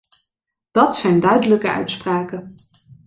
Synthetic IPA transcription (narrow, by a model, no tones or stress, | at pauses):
d̥ɑtsɛjndœɥdələkəœ̰ɥtspraːkə